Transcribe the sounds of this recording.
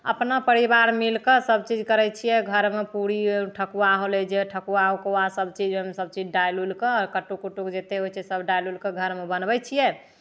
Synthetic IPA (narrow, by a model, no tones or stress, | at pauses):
ə̰pnapəɾibaɾmilkəsəbt͡ʃid͡ʒkəɾɛt͡ʃʰijɛɡʱəɾmepuɾiʈʰəkuaɦoled͡ʒeʈʰəkuaɦokoasəbt͡ʃid͡ʒemesəb̚t͡ʃid͡ʒɖajlulkeɾkəʈːukuʈukd͡ʒet̪eɦojt͡ʃʰɛsəbɖajlulkeɡʱəɾmebənbɛt͡ʃʰijɛ